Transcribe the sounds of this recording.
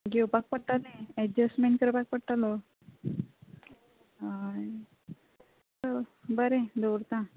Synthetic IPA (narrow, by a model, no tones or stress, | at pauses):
ɡewpak̚pəɽ̚ʈalẽɛd͡ʑəsʈmeɳʈ̚kəɾpak̚pəɽʈ̪alo | ɦaj | t̪əbəɾẽd̪owɾt̪ã